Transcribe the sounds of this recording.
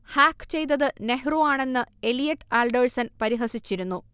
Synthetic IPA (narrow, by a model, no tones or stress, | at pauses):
haːkːt͡ɕe̞jt̪̬ːɐðɨne̞ɦruaːɳe̞nːɨe̞lijɐʈːɨaːlɖoːɻsɐnpɐɾiɦɐsit͡ɕːiɾunːu